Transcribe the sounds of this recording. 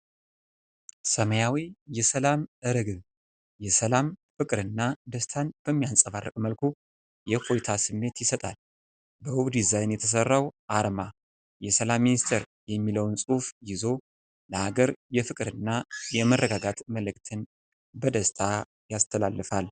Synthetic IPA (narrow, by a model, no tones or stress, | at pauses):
səməjawijɛsəlamɨɾɨɡɨ | jɛsəlamfɨkʼɾɨnːad̪əst̪ʰanb̥əmːijansʼəβarːəkʼməlkʰu | jɛko̞jt̪ʰasɨmːe̞t̪jɪsət̪ʼal | bəwuβd̪izajnjɛt̪ʰəs̬ərːawʔaɾma | jɛsəlamːinist̪ʰeɾ | jɛmːiləwnsʼufjɪzo̞ | ləhaɡəɾjɛfɨkʼɨɾɨnːajɛmərːəɡaɡat̪məlɨkʼt̪ʰɨn | bəd̪əst̪ʰa | jast̪ʰəlalːɨfal